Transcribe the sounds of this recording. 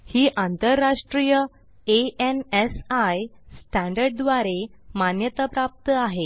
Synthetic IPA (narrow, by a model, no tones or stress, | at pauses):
hiːʔãnt̪əɾːaʂʈɾijə | eenɛsajsʈɛ̃ɳɖəɾɖ̚d̪ʋaɾemanjət̪apɾap̚t̪əaɦe